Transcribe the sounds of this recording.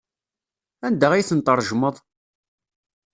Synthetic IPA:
ænd̪əʁijθənt̪ˤəɾˤʒməðˤ

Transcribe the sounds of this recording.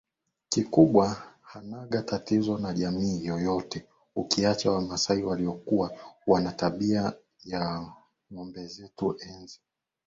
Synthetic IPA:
kikuɓwahanaɠatatizɔnaʄamiːjɔjɔtɛ | ukiat͡ʃawamasaiwaliɔkuwawanataɓia | ja | ŋɔmbɛzɛtuʔɛnzi

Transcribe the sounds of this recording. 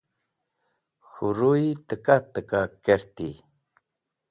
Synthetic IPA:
xuɾujt̪əkat̪əkakeɾt̪i

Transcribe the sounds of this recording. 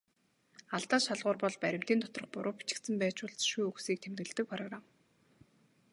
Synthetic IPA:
aɮt̪aːʃaɮʁʊːrpɔɮpæɾʲɪ̆m̥t̪iːnt̪ɔt̪rɞ̆χpʊɾʔʊːpi̥t͡ɕɪ̥̆kt̪sə̆mpæːt͡ɕʊɮt͡sʃujuxsiːk̚t̪ʰemt̪ɡɘ̆ɮt̪ɘ̆k̚pʰrɔɣram

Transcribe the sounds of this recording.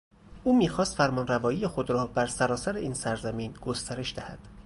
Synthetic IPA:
ʔuːmiːxɒːst̪fæɾmɒːnrævɒːjiːjexod̪ɾɒːbæɾsæɾɒːsæɾeʔiːnsæɾzæmiːnɡ̥ost̪æɾe̞ʃd̪æhæ̰d̪̥

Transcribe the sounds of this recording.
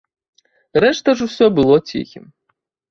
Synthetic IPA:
rɛʂt̪ɐʐusʲɔbɨlˠɔt͡sʲḭxʲḭm

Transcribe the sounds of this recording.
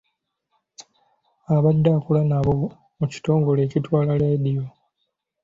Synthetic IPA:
aβadːakulanaβo̞ | muci̥to̞ːŋɡo̞le̞ːcitwaːlaladijo

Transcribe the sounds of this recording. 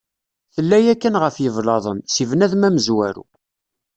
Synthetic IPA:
θəlːæjækːənʁəfjəvlɑðˤənsivnæðmæməzwæɾṵ

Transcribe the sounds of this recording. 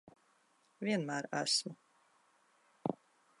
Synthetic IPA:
viɛnmæːɾæ̰smu

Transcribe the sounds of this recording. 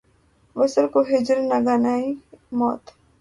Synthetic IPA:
ʋəsəɾkoɦɪd͡ʒəɾnaɡaːnaːimɔ̰ːt̪

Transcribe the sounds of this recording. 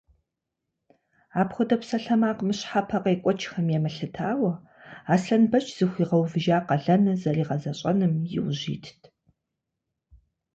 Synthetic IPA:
aːpxʷʊdɐpsɐɬɐmaːqmɨɕħapʰɐqɐjkʷʼɔt͡ʃʰxɐmjɛmɐɬɨtʰaːwɐ | aːsɬɐnbɐt͡ʃʼz̥ɨxʷiːʁɐwvɨʒaːqɐɮɐnɐzɐriːʁɐzɐɕʼɐnɨmjɪ̰wʑḭːtʰtʰ

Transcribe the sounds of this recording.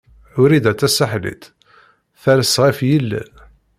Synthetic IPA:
ʊɾid̪æt͡s̪ːæsaħlḭt̪ | θæɾəsʁifjilːḭ

